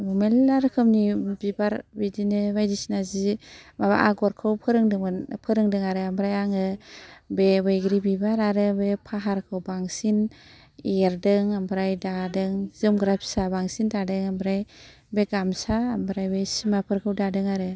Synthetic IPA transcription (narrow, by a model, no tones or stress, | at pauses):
bumelaɾɯkʰɯmnibibaɾbidinɯbajdisinazimaβa̰ʔaɡɔɾkʰɯwpʰɯɾɯŋdɯpʰɯɾɯŋdɯŋaɾɯambɾajaŋɯbebejɡɾibibaɾaɾɯbepʰaɦaɾkʰɯwbaŋsin | eɾdɯŋambɾajdadɯŋzɯmɡɾap̚sabaŋsintadɯŋambɾaj | beɡamsaːmbɾajbejsimapʰɯɾkʰɯwdadɯŋaɾɯ